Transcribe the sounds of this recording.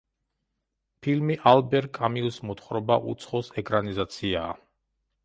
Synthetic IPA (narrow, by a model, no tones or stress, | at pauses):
pʰilmiʔalbɛɾkʼamiusmɔt̪ʰχɾɔbaʔṵt̪sʰχɔsɛkʼɾanizat̪sʰiaː